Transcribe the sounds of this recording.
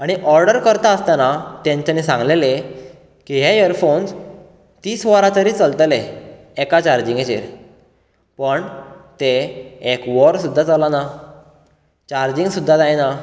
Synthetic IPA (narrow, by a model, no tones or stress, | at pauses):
aɽ̃iʔɔɾɖəɾkəɾt̪aəst̪anat̪jãɲt͡ɕanisãŋɡlele | kiɦejəɾfons | t̪iːsʋəɾãt̪əɾiːt͡səlt̪le | ekat͡ɕaɾd͡ʑĩŋɡet͡ɕḛɾ | pəɳt̪eːkʋɔɾsud̪ʱːat͡salana | t͡ɕaɾd͡ʑiŋɡsud̪ʱːad͡zajna